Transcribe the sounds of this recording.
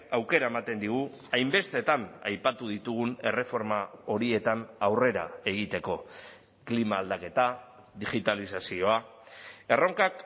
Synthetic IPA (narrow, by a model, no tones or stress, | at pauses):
awke̞ɾae̞mat̪e̞nd̪iɣ̞u | ajmbe̞st̪e̞t̪ana̰jpat̪uð̞it̪uɣ̞une̞̰re̞fo̞ɾmao̞ɾie̞t̪anawre̞ɾa̰e̞ɣit̪e̞ko̞ | klimaːld̪ake̞t̪a | ðiɣit̪alisasio̞a | e̞ro̞ŋkak